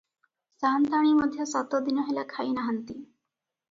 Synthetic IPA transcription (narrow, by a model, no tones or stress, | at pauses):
sant̪aɽ̃imɔd̪ʱjɔsɔt̪ɔd̪inɔɦelakʰajnaɦant̪i